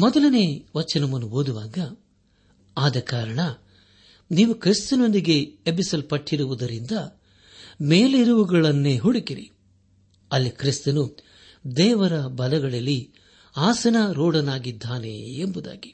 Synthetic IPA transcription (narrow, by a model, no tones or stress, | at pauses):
mɔd̪ɐlɐne̞ːʋɐt͡ʃːɐnɐmɐnːuoːd̪uʋaːɡɐ | aːd̪ɐkaːɾɐɳɐ | niːʋukɾist̪ɐno̞nd̪iɡe̞ːpisɐlpɐʈʰːiɾuʋud̪ɐɾind̪ɐ | meːliɾuʋuɡɐɭɐnːeːɦuɽikiɾḭ | ɐlːikɾist̪ɐnu | d̪ɛːʋɐɾɐbɐlɐɡɐɭɐlːi | aːsɐnɐɾoːɽɐnaːɡid̪ːaːnḛːmbud̪a̰ːɡi̥